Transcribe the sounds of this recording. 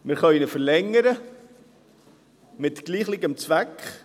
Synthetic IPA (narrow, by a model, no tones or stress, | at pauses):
mɪɾχœʏnəfəɾlɛŋəɾə | mɪtɡ̥liːχlɪɡəmt͡svækχ